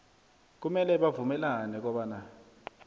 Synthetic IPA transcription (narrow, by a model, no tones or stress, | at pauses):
k̬umɛlɛɓavumɛlanɛk̬ɔɓaːna